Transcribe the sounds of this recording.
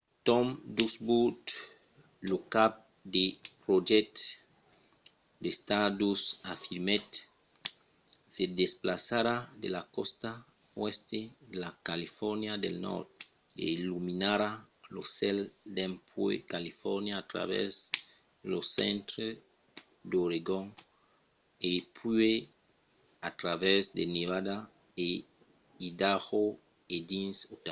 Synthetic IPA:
t̪omd̪usbut̪ | lokap̚ | d̪epɾoʒet̪ | d̪est̪adusafiɾmet̪ | sedesplasaɾad̪elakost̪a | west̪ed̪elakalifɔɾnjad̪elnɔ̰ɾt̪ | ḛiluminaɾaloseld̪empwḛkalifoɾnjaːt̪ɾa̰βḛz | losḛnt̪ɾe | d̪oɾeɡoŋ | epʰwe | at̪ɾaβezd̪eneβad̪a | e | id̪aɣo | ed̪insot̪a

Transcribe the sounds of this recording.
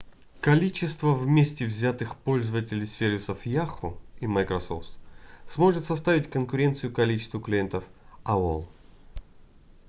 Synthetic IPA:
kɐlʲit͡ɕɪst̪vəvmʲesʲtʲɪvzʲat̪ɨxpo̞lʲzəvətʲɪlʲɪjsʲervʲɪsəfjaxʊiməjkɾɐso̰ft̪smo̞ʐɨt̪sɐst̪avʲɪtʲkənkʊɾʲe̞nt̪sɨjʊkɐlʲit͡ɕɪ̥st̪vʊklʲɪje̞nt̪əfao̰lˠ

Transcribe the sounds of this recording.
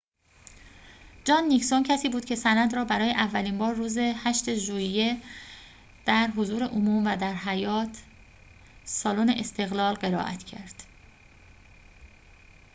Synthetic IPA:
d͡ʒɒːnːicsoncʰæsiːbuːd̪̥̚cʰe̞sænæd̪ɾɒːbæɾɒːjeʔævːæliːmbɒːɾːuːze̞hæʃt̪e̞ʒuːje | d̪̥æɾɦozuːɾe̞ʔomuːmvæd̪æɾɦæjɒːt̪ʰ | sɒːlone̞ʔest̪ʰe̞ɣlɒːlɢe̞ɾɒ̰ːʔæ̰t̪ʰcʰæɾd̪̥

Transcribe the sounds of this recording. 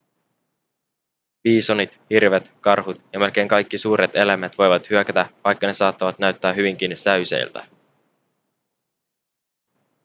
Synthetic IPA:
piːsonit̪hirʋet̪kɑrɦut̪jɑmelk̟e̞jŋkɑjkːisuːɾʔe̞t̪e̞læmæt̪ʋo̞jʋɑt̪hyøkæt̪æʋɑjkːɑne̞sɑːt̪ːɑʋɑt̪næɥt̪ːæːɦyʋiŋk̟insæɥse̞̰j̰lt̪æ̰

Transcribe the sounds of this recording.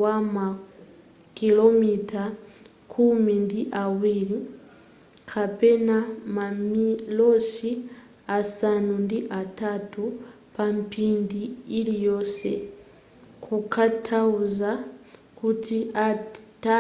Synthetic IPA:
wama | kilomitʰa | kʰumindiʔawili | kʰapɛnamamilosi | asanundiʔatatu | pampindiilijosɛ̰ | kʰukʰatʰauza | kutʰiata

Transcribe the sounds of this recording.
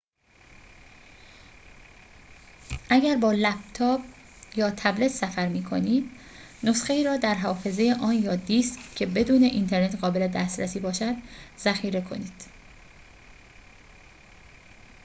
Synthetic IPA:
ʔæɟæɾbɒːlæb̚t̪ʰɒːb̚ | jɒːt̪ʰæble̞t̪ʰsæfæɾmiːkʰo̞̰niːd̪̥ | no̞sxe̞iːɾɒːd̪æɾɦɒːfe̞zejeʔɒːnjɒːd̪iskcʰːe̞be̞d̪uːne̞ʔint̪ʰe̞ɾne̞t̪ʰɢɒːbe̞le̞d̪æst̪ɾæsiːbɒːʃæd̪z̥æxiːɾe̞kʰo̞̰niːd̪̥

